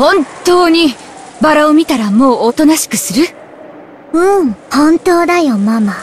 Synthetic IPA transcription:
hõ̞ntt̪o̞ːɲ̟i | baɾaomʲit̪aɾamo̞ːot̪o̞naɕi̥kɯ̟sɨɾɯ̟ | ɯ̟̃hõ̞nt̪o̞ːd̪ajomama

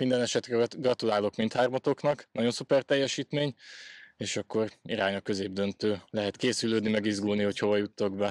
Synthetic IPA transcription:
mind̪ɛnɛʃɛt̪rɛɡrɒt̪ulaːlo̞kmint̪haːrmɒt̪o̞knɒknɒɟo̞nsupɛrt̪ɛjːɛʃiːt̪meːɲeːʃɒkːo̞riɾaːɲɒkø̞zeːb̚d̪ø̞nt̪øːlɛɦɛt̪keːsyløːd̪nimɛɡizɡulniho̞cho̞vɒjut̪ːoɡbɛ

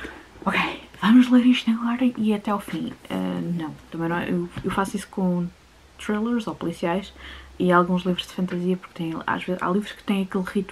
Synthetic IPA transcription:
ɔkejvɐmuʒlˠeɾiʃt̪unɐɣɔɾɐʔiɐt̪ɛawfḭ̃ɛ̰nɐ̃w̃t̪ɐmɐ̃nɐ̃w̃ewewfasuisu̥kõ | t̪ɾelˠɐɾzopulˠisiajʃialˠɣũʒlˠivɾuʒ̥d̪ɨfɐ̃nt̪ɐziɐpuɾk̚t̪ɐ̃j̃a̰ʒveza̰lˠivɾuʃkɨ̥t̪ɐ̃j̃ɐkelˠʁit̪

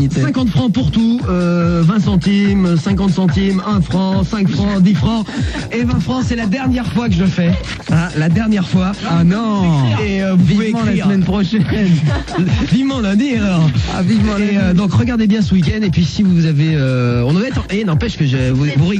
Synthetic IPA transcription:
sɛ̃kɑ̃t̪fχɑ̃puʁt̪uøvɛ̃sɑ̃t̪imsɛ̃kɑ̃t̪sɑ̃t̪imɛ̃fχɑ̃sɛ̃kfχɑ̃d̪ifχɑ̃evɛ̃fχɑ̃sɛlad̪ɛʁnjɛʁfwak̬əʒəfɛ | alad̪ɛʁnjɛʁfwaanɔ̃eøvupviuvemɑ̃lasmɛnpχɔʃɛn | vivmɑ̃lɛ̃d̪ialɔʁa̰vivmɑ̃eød̪ɔ̃kʁəɡaʁd̪ebjɛ̃səwik̬ʲɛnd̪epɥisivuzaveøɔ̃nvɛt̪ɑ̃ʔenɑ̃pɛʃkəʒəvuvuʁi

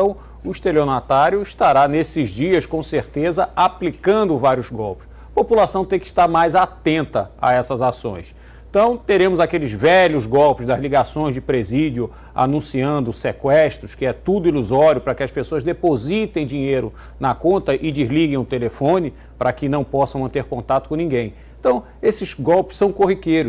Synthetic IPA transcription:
ɐ̃w̃ | ʊiʃt̪eleonat̪aɾjʊiʃt̪aɾanesɪzd͡ʒiɐskõseɾt̪ezɐaplikɐ̃nd̪ʊvaɾjʊzɡɔwpʊ̥s | ɐpopulasɐ̃w̃t̪ẽj̃kɪi̥ʃt̪aɾmajzat̪ẽnt̪ɐa̰ɛsɐzasõ̰j̃s | t̪ɐ̃w̃t̪eɾẽmʊzakelɪzvɛʎʊzɡɔwpʊzd̪ɐzliɡasõj̃zd͡ʒɪpɾezid͡ʒʊ | a̰nũsiɐ̃nd̪ʊsekwɛʃt̪ɾʊskɪɛt̪ud̪ʊiluzɔɾiʊpɾɐkɪɐspesoɐzd̪epozit̪ẽj̃d͡ʒiɲejɾʊ | nɐkõnt̪ɐʔɪd͡ʒizliɡẽj̃ʊt̪elefõnɪ | pɾɐkɪnɐ̃w̃pɔsɐ̃w̃mɐ̃nt̪eɾkõnt̪at̪ʊ̥kõnĩɡẽj̃ | ẽt̪ɐ̃w̃ | esɪzɡɔwpʊ̥sɐ̃w̃koɦikejɾʊ

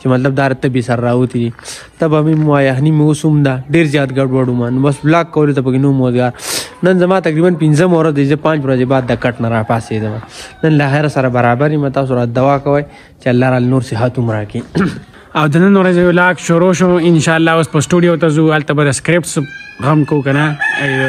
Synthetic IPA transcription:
t͡ʃemɐt̪lɐb̚d̪aːɾat̪ɐbesɐɾaɾaːut̪id̪i | t̪ɐbamimwaːjɐxnimeosumd̪aɖeːɾzjaːt̪ɡɐɖwɐɽumanobɐsblaːkːɐwɐlot̪ɐp̬ɐkenomoːzɡaːɾnɐnzɐmaːt̪ɐkɾiːbɐnpinzɐmawɾɐzd̪ɐizepãːnt͡ʃwɾɐzebaːd̪ːɐkɐʈnaɾaːpaːsed̪ɐmanɐnlaːxeɾasɐɾabɐɾaːbaɾimat̪aːs̬uɾaːd̪ɐwaːkɐwɐj | t͡ʃealːaːɾaːlnoːɾseɦat̪umɾaːki | awd̪ɐnɐnwɾazejolaːkʃoɾoʃõɪnʃaːlːaːospəsʈuɖijot̪azuɐlt̪abad̪ɐskɾɪp̚ʈsɣamkaukɐna

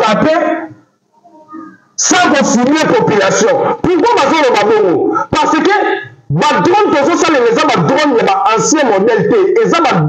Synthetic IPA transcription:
apɛ | sãk̬osimepopylasjɔ̃pukwabazolobabokopaʁsekebadʁɔ̃nozosalelezabadʁɔ̃njabaʔãsjɛ̃mɔdɛltɛezaba

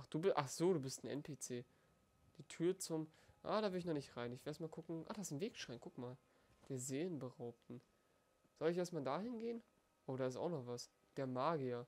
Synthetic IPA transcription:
ʔaχd̥uːbʔaχz̥oːɾuːbɪstn̩ʔɛ̰npʰeːt͡seː | d̥iːtʰyːɐt͡sʊmʔa̰ːdaːvɪɐdɪçnɔχnɪçtʁaɪnɪç̥lʔeɛstmalkʰʊkŋ̩ʔa̰χd̥aɪsnveːkʃʁ̥aɪnkʰʊkmaːl | d̥eːɐzeːənbəʁaʊp̚tn̩ | z̥ɔlɪçeːɐstmaːldaːhɪnɡeːən | ʔoːdaːɪsta̰ʊxnɔχv̥as | d̥eːɐmaːɡiɐ

